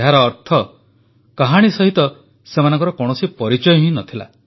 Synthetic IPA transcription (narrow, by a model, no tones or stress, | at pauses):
ɦaɾɔːɾt̪ʰɔ | kaɦaɽ̃isɔɦit̪ɔ | semanɔ̃ŋkɔɾɔkɔɽ̃ɔsipɔɾit͡ʃɔjɔɦĩnɔt̪ʰila̰